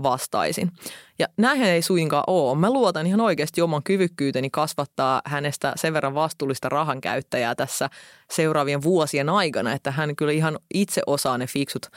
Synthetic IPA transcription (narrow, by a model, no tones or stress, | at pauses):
ʋɑst̪ɑ̰isḭnjɑnæiɦeneisujiŋkɑ̰ːʔoːmæluot̪ɑnihɑnoikeːst̪iomɑŋkyʋykːyːt̪enikɑsʋɑt̪ːɑːhænest̪æ̰seʋʋe̞rːɑʋʋɑst̪uːlːist̪ɑrɑɦɑŋkæ̰yt̪ːæjæːt̪æsːæ | seuɾɑːʋieʋʋuosienɑikɑnɑet̪ːæɦæŋkyliɦɑnit̪seʔosɑːnefiksut̪